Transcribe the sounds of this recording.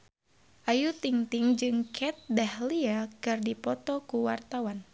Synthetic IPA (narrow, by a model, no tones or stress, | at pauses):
ʔajut̪iŋt̪iŋd͡ʒɨŋkʰɛt̪̚dahliakɨrdipɔt̪ɔkuwart̪awan